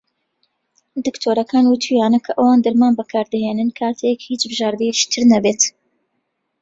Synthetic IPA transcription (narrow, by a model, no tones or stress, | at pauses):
d̪ɨkt̪ʰoːɾɐkʰaːnwut̪ʰujaːnɐkʰɐʔɐwaːnd̪ɨɾmaːnbɐkʰaːɾd̪ɐɦeːnɨnkʰaːt̪ʰekhiːt͡ʃbɨʒaːɾd̪ɛjet͡ʃi̥t̪ʰɨɾnɐbeːt̪